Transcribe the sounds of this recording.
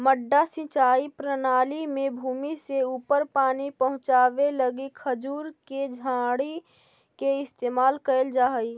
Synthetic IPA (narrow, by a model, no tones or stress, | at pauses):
məɖːasɪ̃t͡ʃaːipɾənaːlimẽbʱuːmiseuːpəɾpaːnipəɦʊ̃t͡ʃaːʋeləɡikʰəd͡ʒuːɾked͡ʒʱãːɽi | keɪst̪eːmaːlkəəld͡ʒaːɦəi